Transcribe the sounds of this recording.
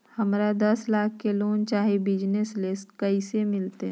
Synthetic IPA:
hɐmɾad̪ɐslaːkʰkeloːnt͡ʃaːɦebɪd͡ʒneslɪsʈkɐisemɪlt̪e

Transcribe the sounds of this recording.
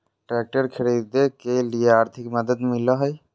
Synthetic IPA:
ʈɾɛːk̚ʈəɾkʰɪɽid̪ekelieaːɾt̪ʰɪkməd̪əd̪mɪlaɦəj

